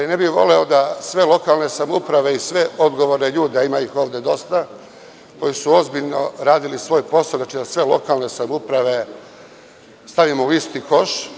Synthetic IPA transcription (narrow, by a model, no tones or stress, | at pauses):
ine̞bixʋo̞̰le̞od̪asʋe̞lˠo̞kalˠne̞samupɾaʋe̞isʋe̞ʔo̞d̪ɡo̞ʋoɾneʎuːd̪eaimaixo̞ːʋd̪e̞d̪o̞st̪a | ko̞jisuo̞zbiʎno̞̰ɾaːd̪ilisʋo̞ːjpo̞saod̪at͡ʃid̪asʋe̞lˠo̞̰kalne̞samupɾaʋe̞ | st̪aʋimouist̪iko̞ʃ